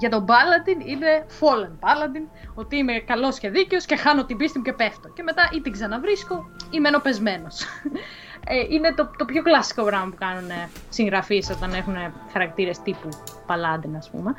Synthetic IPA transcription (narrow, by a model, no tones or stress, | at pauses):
ʝɐt̪o̞bɐlɐd̪inine̞fo̞lenbɐlɐd̪ino̞t̪iime̞kɐlo̞sce̞ðiceo̞sce̞xɐnot̪ibist̪imuce̞pe̞ft̪oce̞me̞t̪ɐʔit̪iɡzɐnɐvɾisko̞imeno̞pe̞zme̞no̞s | eʔine̞t̪ot̪o̞pço̞klɐsi̥ko̞pɾɐmɐpukɐnune | siŋɣɾɐfiso̞t̪ɐne̞xune̞ | xɐɾɐk̚t̪iɾe̞st̪ipupɐlɐd̪inɐspṵme̞